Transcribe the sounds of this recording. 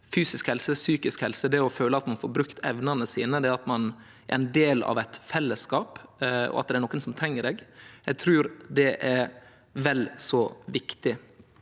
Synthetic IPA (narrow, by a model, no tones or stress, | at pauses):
fyːsɪskhɛlsəsyːkɪskhɛlsəd̪ɛɔføːləɑt̪mɑnfoːɾbɾʉkt̪ʰɛʋnɑnəsiːnəd̪ɛɑt̪mɑn | æ̰ɾɛnd̪eːlɑ̰ʋæɪt̪fɛlːəskɑːpɔ̰ʔɑ̰t̪̚d̪ɛæɾnɔkːənsɔmt̪ʰɾɛŋːəɾeːɡɛɡt̪ʰɾʉːɾd̪ɛʔæɾ | ʋɛlsɔʋɪkt̪ɪ